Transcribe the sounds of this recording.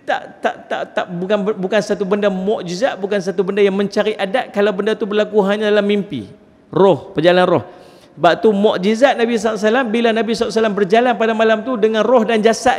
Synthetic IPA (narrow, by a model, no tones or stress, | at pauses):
t̪a̰ʔt̪a̰ʔt̪a̰ʔt̪aʔbukanbukansat̪̬ubəndamɔʔd͡ʒizaʔ̪̚bukans̬at̪ubəndajaŋmə̃ɲt͡ʃaɾiʔadaʔ̪̚kalawbəndat̪ubərlakuɦaɲadalamːimpḭ | rɔhpərd͡ʒalanrɔh | baʔt̪umɔʔd͡ʒizaʔ̪̚nabis̬ɔas̬alambilanabisɔaʔs̬alambərd͡ʒalanpadamalamt̪udəŋanrɔhdand͡ʒasaʔ